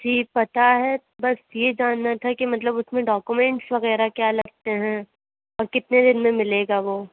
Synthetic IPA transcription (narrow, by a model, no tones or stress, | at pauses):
d͡ʒiːpɐt̪aɦɛ | bɐsjed͡ʒaːnːat̪ʰakimɐt̪ləbʊsmẽɖɔːkumɛ̃ɳʈsʋɐɣɛːɾakjaːlɐɡ̚t̪eɦɛ̃ː | ɔːɾkɪt̪ned̪ɪnmẽmɪleːɡaʋoː